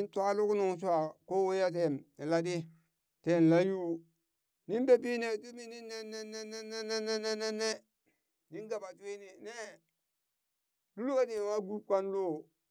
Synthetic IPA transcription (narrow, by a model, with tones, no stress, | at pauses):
i˦n˦twa˦lu˦ku˦nu˨ŋ˨s̬u˦a˨ko˦we˦ja˦t̬e˨ni˨la˦di˦ | te˨n˨la˦ju˦ | ni˦nbe˨bi˦ne˨tu˦mi˦ni˦nːe˦ne˦ne˦ne˦ne˦ne˦ne˦ne˦ne˦ne˦ | ni˦nɡa˨ba˨twi˦ni˨ne˦ | lu˦lu˦ka˦di˨wa˦ɡu˦kʷa˦nlo˦˨